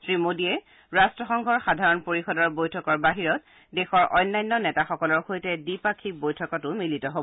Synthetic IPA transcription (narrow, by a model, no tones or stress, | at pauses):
sɹimodiɛ | ɹastɹɔxɔŋɡʱɔɹxadʱaɹɔnpoɹixɔdɔɹbojtʰɔkɔɹbaɦiɹɔt̚ | dɛxɔɹʔɔjnːajnːɔnɛtaxɔkɔlɔɹxojtɛdipakʰik̚bojtʰɔkɔtʊmilitɔɦob